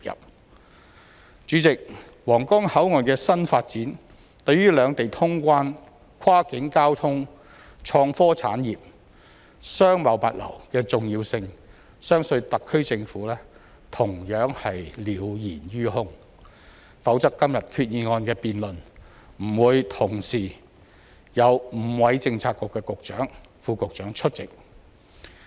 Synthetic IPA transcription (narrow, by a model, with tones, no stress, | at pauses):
jɐ̰˨p̚ | t͡ʃyː˨˥t͡sɪ˨k̚ | wɔː˨˩ŋkɔː˥ŋhɐ˨˥wŋɔː˨nkɛː˧sɐ˥nfaː˧t̚t͡siː˨˥n | t̪ɵ˨˧ɥjɥyː˥lœː˨˧ŋt̪e˨jt̪ʰʊ˥ŋkʷaː˥n | kʷʰwaː˥kɪ˨˥ŋkaː˥wt̪ʰʊ˥ŋ | t͡ʃʰɔː˧ŋfɔː˥t͡sʰa̰ː˨˥njiː˨p̚ | sœː˥ŋmɐ˨˩wpɐ˨t̚lɐ̰˨˩wkɛː˧t͡sʊ˨ŋjiː˧wsɪ˧ŋ | sœː˥ŋsɵ˧t̪ɐ˨kʰːɵ˥ɥt͡sɪ˧ŋfuː˨˥lɛː˥ | t̪ʰʊ˨˩ŋjœː˨˥ŋhɐ˨jliː˨˥˧wjiː˨˩njyː˥hʊ˥ŋ | fɐ˨˥wt͡sɐ˥kkːɐ˥mjɐ˨t̚kʰyː˧t̚jiː˨˧ŋɔː˧nkɛː˧piː˨nlɵ˨n | m̩˨˩wuː˨˧jt̪ʰʊ˨˩ŋsiː˨˩ | jɐ˨˧wm̩˨˩wɐ˨˧jt͡sɪ˧ŋt͡sʰaː˧kːʊ˨˩kːɛː˧kʊ˨k̚t͡ʃœ̰ː˨˥ŋ | fuː˧kʊ˨k̚t͡ʃœː˨˥ŋt͡ʃʰɵ˥t̚t͡sɪ˨k̚